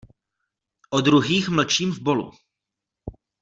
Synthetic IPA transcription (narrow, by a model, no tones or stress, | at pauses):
ʔod̪ɾuɦiːxml̩t͡ʃiːmvbo̞lṵ